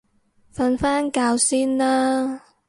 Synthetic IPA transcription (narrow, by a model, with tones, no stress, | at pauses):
fɐ˧nfaː˥nkaː˧wsiː˥nlaː˥